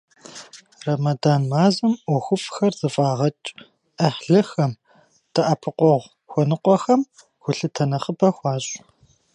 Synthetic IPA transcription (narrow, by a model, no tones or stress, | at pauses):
rɐmɐdaːnmaːzɐmʔʷɔxʷʊfxɐrzɨfʼaːʁɐt͡ʃʼ | ɐħɮɨxɐm | tʰɐʔɐpʰɨqʷɔʁʷ | xʷɔnɨqʷɔxɐm | xʷʊɬɨtʰɐnɐχəbɐxʷɑːɕʼ